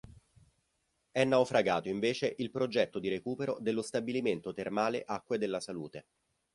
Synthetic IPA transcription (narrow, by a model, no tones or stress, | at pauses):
ɛnːawfɾaɡaːt̪oiɱveːt͡ʃeʔilpɾod͡ʒɛt̪ːod̪iɾekuːpeɾod̪elːost̪abiliment̪ot̪ermaːleʔakːwed̪elːasaluːt̪e